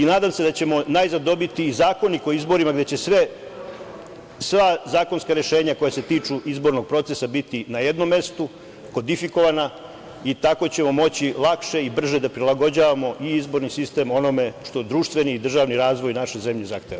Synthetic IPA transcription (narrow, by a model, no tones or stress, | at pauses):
inaːd̪aːmse̞d̪at͡ɕe̞mo̞najzad̪o̞bit̪iːzaːko̞niko̞izbo̞ɾimaɡd̪e̞t͡ɕesʋe̞ | sʋazaːko̞nskaɾe̞ʃe̞ːɲako̞jase̞t̪iːt͡ʂuizbo̞ɾno̞ɡ̚pɾo̞t̪sesabit̪inajed̪no̞mːe̞st̪u | ko̞d̪ifiko̞ʋana | it̪ako̞t͡ɕe̞mo̞mo̞t͡ɕilˠakʃe̞ibr̩ʒed̪apɾilˠaɡo̞d͡ʑaːʋamo̞ʔiizbo̞ɾnisist̪e̞mo̞no̞me̞ʃt̪o̞d̪ɾuːʃt̪ʋe̞niːd̪r̩ʒaʋniɾaːzʋo̞jnaʃe̞ze̞mʎeza̰xt̪eʋa